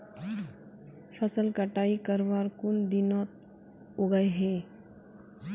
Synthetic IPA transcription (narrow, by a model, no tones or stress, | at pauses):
fʰəsəlkəʈaːikəɾʋaːɾkʊnd̪inɔːt̪̚ | oɡəeɦẽː